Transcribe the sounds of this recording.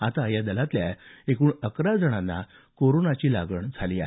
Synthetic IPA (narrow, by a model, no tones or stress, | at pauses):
at̪ajad̪əlat̪ljaekuːɳəkɾad͡zəɽ̃anːa̰ | koɾonat͡ɕiːla̰ɡəɳd͡zʱaliːa̰